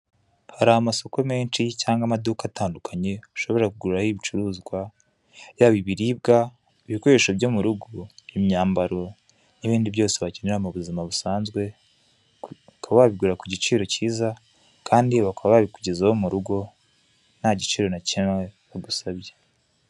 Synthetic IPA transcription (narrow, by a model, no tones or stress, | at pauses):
haɾahamaso̞ko̞me̞ːnt͡ʃicaːŋɡamadukatʰaːndukʰaɲe̞u̥ʃo̞βe̞ɾakuɡuɾuɾahiβit͡ʃuɾuːzɡwa | jaːβiβiɾiːb̚ɡa | βikoɾeʃobjo̞muɾuɡuimɲaːmbaɾo̞ | niβiːndiβjo̞ːse̞βaceneɾamuβuzimaβusaːnzɡwe̞ | akaβaβaβiɡuɾakuɟit͡ʃiːɾo̞ciːza | kʰaːndiβakaβaβaβikuɟezawomuɾuɡo̞ | naɟit͡ʃiːɾo̞nacinweβaɡusaβɟe